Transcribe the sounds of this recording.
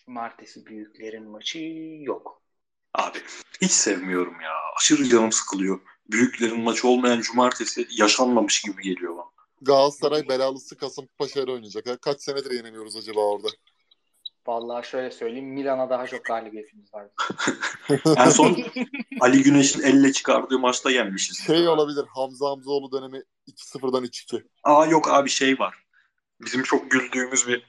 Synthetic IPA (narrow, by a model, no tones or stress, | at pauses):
d͡ʒumaɾt̪ʰesibyjyc̚ʲlʲe̞ɾinmat͡ʃʰɯjok | a̰ːbihit͡ʃsɛvmijo̞ɾumja̰ːa̰t͡ʃʰɯɾilanɯmsɯ̥kʰɯlˠɯjo̞ | byjyclʲe̞ɾinmat͡ʃʰɯo̞lˠmajand͡ʒumaɾt̪ʰe̞sijaʃanlˠamɯʃɟibiɟe̞lʲijo̞ban | ɡaːzsaɾajbelʲaːlˠɯsɯkʰasɯmpʰaʃaɾɯo̞jnujad͡ʒakakʰat͡ʃsened̪iɾjenemʲijo̞ɾuzad͡ʒabaːo̞ɾd̪a | valˠːaːʃø̞jlʲɛsø̞jlʲejimːilʲanad̪aɦat͡ʃʰo̞k̚d̪aːlʲibijet̪ʰimizvaɾd̪ɯ | jænso̞nalʲiɟyne̞ʃinɛlʲːɛt͡ʃʰɯ̥kʰaɾd̪ɯːmat͡ʃt̪ˠajænmiʃiz̥ʃe̞jo̞lˠabilʲiɾhamzaamzo̞lˠud̪ø̞ne̞miː | cʰi̥sɯfɯɾd̪anyt͡ʃi̥cʰi | aːjo̞kʰaːbiʃe̞jvaɾ̥ | bizimt͡ʃʰo̞k̚ɟylʲd̪yːmyzbi